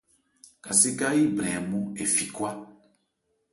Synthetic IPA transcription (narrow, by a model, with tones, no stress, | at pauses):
ka˨se˦ka˦i˦bɾɛ˨mũ˦e˨fi˨kwa˦